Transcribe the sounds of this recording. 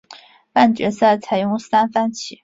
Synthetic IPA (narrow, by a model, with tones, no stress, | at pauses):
pa˥˩nt͡ɕɥɛ˧˥sa˥˩ɪt͡sʰa˨˧˥ɪjʊ˥˧ŋsa˥nfa˥˩nt͡ɕʰi˨˩˦